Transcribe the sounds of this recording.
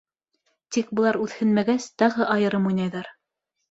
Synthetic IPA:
t̪ik̚bɤ̆lˠɑɾʉθhɘ̆nmæɡæst̪ɑʁɤʔɑjɤ̆ɾɤmujnɑjðɑɾ

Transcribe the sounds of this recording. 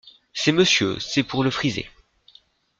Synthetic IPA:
sɛməsjø̰sɛpuʁləfχizḛ

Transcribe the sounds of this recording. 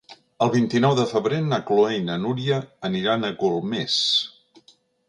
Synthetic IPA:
əlˠβint̪inɔwðəfəβɾenakloejnənuɾiəːniɾanəɣulˠmes

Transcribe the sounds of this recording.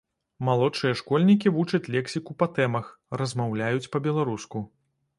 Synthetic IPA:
malˠɔt͡ʂɨjɐʂkɔlʲnʲikʲivut͡ʂɐt͡sʲlʲɛksʲikupɐt̪ɛmɐxrɐzmawlʲajut͡sʲpɐbʲɛlˠaɾusku

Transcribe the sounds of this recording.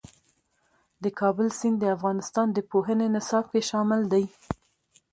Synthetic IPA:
d̪əkʰɑbəlsind̪əafɣɑnɪst̪ɑnd̪əpoɦənenasɑp̚keʃɑmɪld̪aj

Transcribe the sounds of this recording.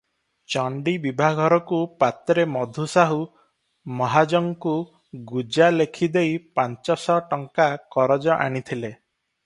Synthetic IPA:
t͡ʃɔɳɖibibʱaɡʱɔɾɔkupat̪ɾemɔd̪ʱusaɦu | mɔɦad͡ʒɔŋku | ɡud͡ʒalekʰid̪ejpant͡ʃɔsɔʈɔŋkakɔɾɔd͡ʒɔʔa̰ɽ̃it̪ʰile

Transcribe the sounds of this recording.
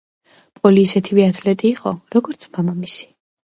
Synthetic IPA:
pʼɔliːsɛt̪ʰivɛat̪ʰlɛt̪ʼiːqʼɔɾɔɡɔɾt̪sʰmamamisi̥

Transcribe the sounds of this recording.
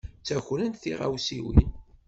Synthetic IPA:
t͡sːæçlənt̪θiʁa̰wsiwin

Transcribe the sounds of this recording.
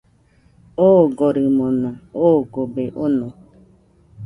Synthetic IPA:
oɡoɾimonooɡobeʔono

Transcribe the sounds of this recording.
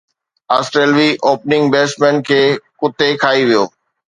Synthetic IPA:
aːsʈɾeːlʋiʔoːpnɪ̃ŋɡbeːsmɛ̃ːnkʰeːkʊt̪ekʰaːiʋijoː

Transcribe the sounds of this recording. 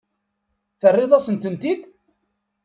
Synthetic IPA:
θərːɪðˤɑsənt̪ənt̪id

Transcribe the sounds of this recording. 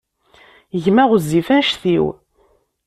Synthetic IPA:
ʝmæʁəzːifænʃθiw

